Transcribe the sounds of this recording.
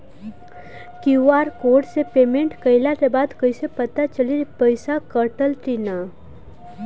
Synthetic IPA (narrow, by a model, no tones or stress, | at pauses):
kiaːɾkoːɖsepeːmẽɳʈkəɪlat̪ebaːd̪kəɪsepət̪at͡ʃəlipəɪsakəɾʈəlʈina